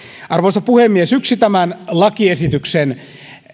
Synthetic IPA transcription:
ɑrʋosɑpuhemːiesyksit̪æmænlɑkiesit̪yksen

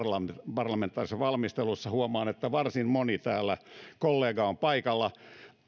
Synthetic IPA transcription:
lɑpɑrlɑment̪ːˑɑrisːɑʋɑlmist̪elusːɑhuomɑːnet̪ːæʋɑrsinmonit̪æːlːækolːeːɡɑompɑikɑlːɑ

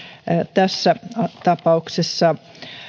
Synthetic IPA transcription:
t̪æsːæt̪ɑpɑuksesːɑ

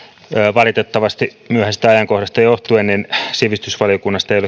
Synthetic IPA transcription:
əʋɑlit̪et̪ːɑʋɑst̪i | myøhænsi̥t̪æɑjɑŋkohdɑst̪ɑjoht̪uenninsiʋist̪ysʋɑlijokunːɑst̪ɑejole

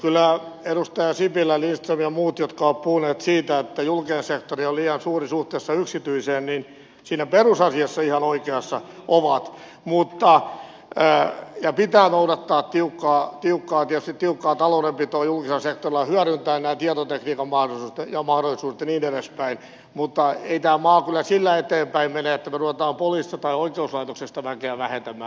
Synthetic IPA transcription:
kylːˑæedust̪ɑjɑsipilːælinst̪rimjɑmuːt̪jot̪kɑoːppuhuneːt̪siːt̪æet̪ːæjulkeensekt̪orioliɑnsuːrisuht̪eːsːɑyksit̪yiseːnnin | siːnæperusɑsiɑsːɑihɑnoikeɑsːɑʔoʋɑt̪ | mut̪ːɑ | jɑpit̪æːnouɾɑt̪ːɑːt̪t̪iukːɑːt̪iukːɑːt̪iɛt̪yst̪it̪iukːɑːt̪ɑloudempit̪oːjulkiselɑsek̚t̪orilɑhyæɾynt̪æːnnæːt̪iɑt̪ot̪ekniːkɑmmɑhɾolisuːst̪ejɑmɑhdolːˑisuːdet̪niːneɾespæin | mut̪ːɑeit̪æːmɑːkylːæsilːæet̪eːmpæimmeneet̪ːæmeruʋet̪ɑːmpolist̪ɑt̪ɑioikeuslɑit̪oksest̪ɑʋækeæʋæhent̪æmːˑæː

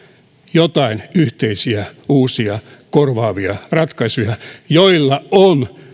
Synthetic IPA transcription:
jot̪ɑinyht̪eisiæuːsiɑkorʋɑːʋiɑrɑt̪kɑisujɑjoilːɑon

